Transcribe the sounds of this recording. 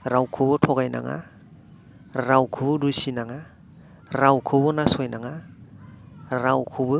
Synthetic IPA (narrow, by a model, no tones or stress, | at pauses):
ɾawkʰɯbɯtʰɔɡajna̰ŋa̰ | ɾawkʰɯbɯdusinaŋa | ɾawkʰɯbɯnasɔjnaŋa | ɾawkʰɯbɯ